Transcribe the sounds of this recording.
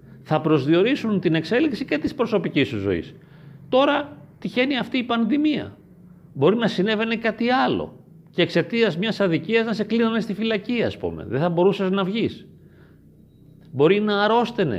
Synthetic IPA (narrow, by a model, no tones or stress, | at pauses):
θɐpɾo̞zðio̞ɾisunt̪ine̞kse̞liksice̞t̪ispɾo̞so̞picist̪uzo̞̰ḭs | t̪o̞ɾɐt̪içe̞niɐft̪iːpɐnðimiɐ̰ | bo̞ɾinɐsine̞ve̞ne̞kɐt̪iɐlo̞̰ | ce̞ːkse̞t̪iɐzmɲɐsɐðiciɐznɐse̞klinɐne̞st̪ifilɐciɐːspṵmḛðeθɐbo̞ɾusɐznɐvʝis | bo̞ɾinɐːɾo̞st̪enḛ